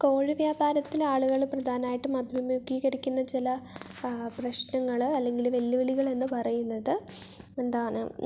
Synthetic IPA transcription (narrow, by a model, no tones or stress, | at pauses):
ko̞ːɻiʋjaːbaːɾɐt̪ːilaːɭuɣɐɭprɐd̪ʱaːnaːjiʈːumɐbʱjɐmjuɡiɣɐɽikʲːunːɐt͡ɕilɐ | prɐɕnɐŋːɐɭɐlːe̞ŋɡilʋɐlːiʋiɭiɣɐɭe̞nːɨpɐrɐjunːɐðɨ | e̞nd̪aːɳɨ̰